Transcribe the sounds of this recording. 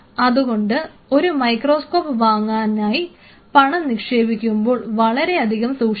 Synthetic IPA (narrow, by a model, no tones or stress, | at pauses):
ɐðuɣo̞ɳɖɨ | o̞ɾumɐjkro̞ːsko̞ːpːʋaːŋːaːnaːji | pɐɳɐmnikʂe̞ːbikʲːumbo̞ːɭʋɐɭɐɾe̞ɐd̪ʱiɣɐmsuːkʂ